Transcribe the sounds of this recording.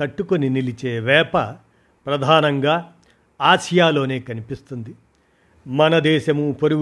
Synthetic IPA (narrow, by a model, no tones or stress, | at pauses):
ɐʈːukoninilit͡ʃeːʋɛːpɐ | pɾɐd̪ʱaːnɐŋɡaː | aːʃɐjaːlo̞ːne̞ːkɐnipist̪und̪i | mɐnɐd̪ɛːʃɐmupoɾu